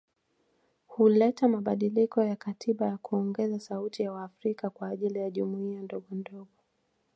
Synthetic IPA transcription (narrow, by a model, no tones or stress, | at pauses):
hulɛtamaɓaɗilikɔjakatʰiɓajakuɔŋɡɛzasautijawaːfɾikakwaːʄilijaʄumuiandɔɡɔndɔɡɔ